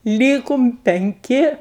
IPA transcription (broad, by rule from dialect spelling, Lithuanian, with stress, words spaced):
ˈlʲiːkʊm pʲɛŋʲˈkʲɪ